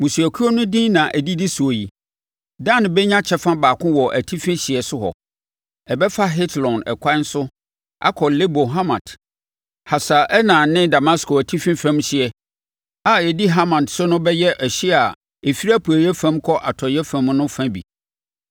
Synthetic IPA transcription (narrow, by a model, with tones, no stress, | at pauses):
mũ˨su˨æ˨kʰu˦o˦nʊ̃˦dĩ˦nã˨ʔæ˨di˦di˦su˨o˨ji˨ | dã˦˨nɪ̃˨bɛ˦ɲã˦t͡ɕʰɛ˦fã˦baː˨kʰʊ̃˦wɔ˨ʔæ˨tʰi˦fɪ̃˦ɕi˨ɛ˨sʊ˦hɔ̰˨ | ɛ˨bɛ˦fa˦ɦɪ˦tʰlɔ̃˨nɛ̰˨kʷʰã˦n̩˦sʊ˦ | a̰˦kʰɔ˨le˦bo˨ɦa˦mã̰˨t | ha˨sa˨ʔɛ˦nãː˨nɪ̃˦da˨ma˦skʰo˨æ˨tʰi˦fɪ̃˦fã˦mɕɪ˨ɛ˨ | a˨ɛ˨di˦ɦa˦mã˨tsʊ˦nʊ̃˦bɛ˦jɛ˦ʔɛ˨ɕi˦a˨ | e˨fi˦ɾa˦pʰu˨æ˨jɛ˦fã˦mkʰɔ˦ʔa̰˨tʰɔ˨jɛ˦fã˦mnʊ̃˦fã˦bḭ˨